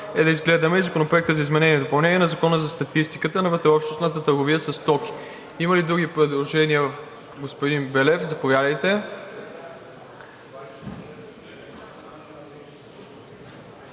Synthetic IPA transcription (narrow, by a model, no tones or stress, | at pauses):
ɛd̪ɐizɡlɛd̪əmɛizɐkonopɾoɛk̚t̪əzɐizmɛnɛnʲiɛd̪opɐlˠnɛniɛnɐzɐkɔnəzɐst̪ɐt̪ist̪ikət̪ənɐvət̪ɾɛɔpʃt̪osnət̪ət̪əɾɡoviəsɐst̪ɔki̥ | imɐlid̪ɾuɡ̟ipɾɛd̪lˠoʒɛniəvəf | ɡospod̪inbɛlɛfzɐpovjad̪əjt̪ɛ